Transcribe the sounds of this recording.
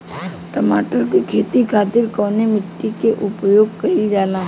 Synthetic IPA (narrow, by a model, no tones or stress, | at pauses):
ʈəmaːʈəɾkikʰeːt̪ikʰaːt̪ɪɾkɔːnemɪʈːikeʔʊpjoːɡ̚kɐid͡ʒaːlaː